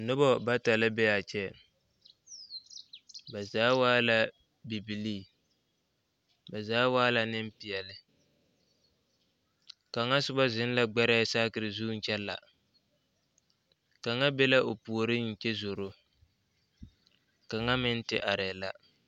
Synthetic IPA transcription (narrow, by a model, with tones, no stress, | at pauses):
nʊ˦bɔ˦ba˦ta˨lɪ˦bɛ˦a˨t͡ʃɛ˦ | ba˨zaː˦waː˦la˦ | bi˨bi˨liː˦˨ | ba˨zaː˨˦waː˦la˨nɪ˦m˦pi˨jɛ˨lɪ˨ | ka˨ŋa˦sʊ˦ba˦zɪ˦n˦la˦ɡ͡bɛ˦ɾɛ˦saː˦kɪ˨ɾɪ˨zuː˦n̩˦t͡ʃɛ˦lːa̰˨ | ka˨ŋa˦be˦la˦ʔo˨pu˨o˨ɾɪ˦n̩˨t͡ʃɛ˦zo˨ɾo˦ | ka˨ŋa˦mɪ˦n˦tɪ˦ʔa˨ɾɛ˨la˦